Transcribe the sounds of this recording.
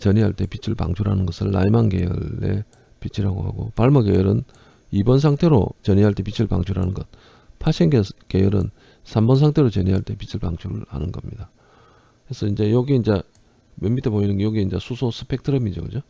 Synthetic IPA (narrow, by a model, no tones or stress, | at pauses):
t͡ɕʌɲiɦaɭt͈e̞pit͡ɕʰiɭpa̰ŋt͡ɕʰuɾɦanɯnɡʌsʰɯɭːa̰imanke̞jɯ̰ɭːe̞̰ | pit͡ɕʰiɾaɡo̰ɦa̰ɡo̰paɭmʌkejʌɾɯn | ibʌns̬ʰaŋtʰe̞ɾo̰t͡ɕʌɲiɦaɭt͈e̞pit͡ɕʰiɭpa̰ŋt͡ɕʰuɾɦanɯnɡʌt̚ | pʰaɕʰiŋɡekejʌɾɯ̰n | sʰambʌnsʰaŋtʰe̞ɾot͡ɕʌɲiɦaɭt͈e̞pit͡ɕʰiɭpaŋt͡ɕʰuɾha̰nɯnɡʌmɲida | kesʰʌind͡ʑe̞joɡiind͡ʑe | mjʌmitʰeboɲinɯnɡejoɡiind͡ʑesʰusʰosʰɯ̥pʰe̞k̚tʰɯɾʌmid͡ʑokɯd͡ʑo